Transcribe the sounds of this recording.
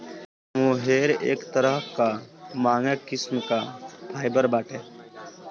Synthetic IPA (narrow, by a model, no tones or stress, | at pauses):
ʋũːɦeːɾḛːkt̪əɾəɦkamaːŋəkːɪsmkaːpʰaːjbəɾbaːʈeː